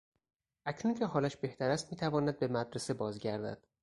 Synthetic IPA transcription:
ʔæcʰnuncʰeɦɒːlæʃbe̞ht̪ʰæɾæst̪miːt̪ʰævɒːnæd̪̚be̞mæd̪ɾese̞bɒːzɟæɾd̪æ̰d̪̥

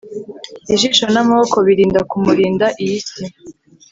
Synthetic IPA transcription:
iʒiːʃo̞namaβoko̞βiɾiːndakumuɾiːndaʔijisi

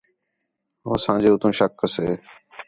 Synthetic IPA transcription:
ɦoːsãːd͡ʒeːʊt̪ʰũːʃəkːəseː

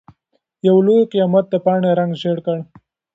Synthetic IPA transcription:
jawlojkijɑmat̪̚d̪əpɑːɳeɾaŋɡʃeɽkəɽ

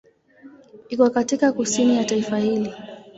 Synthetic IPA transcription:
ikuwakatikakusinijataifahili

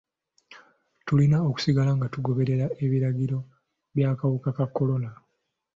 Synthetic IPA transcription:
tulinaoku̥siɡalaŋɡatuɡo̞βe̞ɾe̞ɾae̞βiɾaɡiɾo̞ | βjaːkawukakakːo̞lo̞na

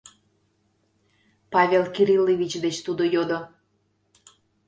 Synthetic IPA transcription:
pɑvʲelkiɾilːivʲit͡ɕd̪et͡ɕt̪ud̪ojod̪o

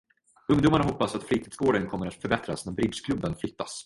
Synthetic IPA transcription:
ɵŋd̪uːmaɳaɦɔpːasat̪fɾiːt̪ʰiːd̪sɡoːɖənkʰɔmːəɾat̪fœɾbɛt̪ɾa̰snæɾbɾɪd̪skʰlɵbːənflʏt̪ːa̰s

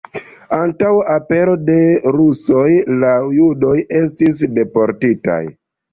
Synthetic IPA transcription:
antawape̞ɾo̞de̞ɾuso̞jlajudo̞je̞s̬tis̬de̞po̞ɾtita̰j

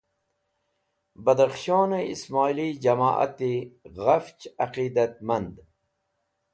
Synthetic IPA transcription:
bɐd̪ɐχʃoːneismaːilid͡ʑɐma̰ːʔa̰t̪iɣɐft͡ʃɐqiːd̪ɐt̪̚mɐnd̪

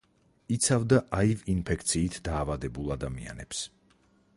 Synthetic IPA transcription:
it̪sʰavd̪aʔaivinpʰɛk̚ʰt̪sʰiːt̪ʰd̪aːvad̪ɛbulˠad̪amḭa̰nɛ̰ps

